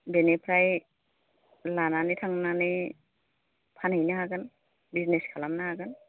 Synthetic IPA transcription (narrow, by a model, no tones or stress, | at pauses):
benepʰɾaj | lananitʰaŋnanɯ | pʰanhajnaɦaɡɯn | bizneskʰalamnahaɡɯn